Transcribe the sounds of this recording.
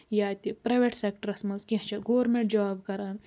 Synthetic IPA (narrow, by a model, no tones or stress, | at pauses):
jaːt̪ipɾɐjʋeʈseːkʈɐɾɐsmɐnzkʲĩɦt͡ʃʰɐɡoːɾmẽɳʈ̚d͡ʒaːbkɐɾɐːn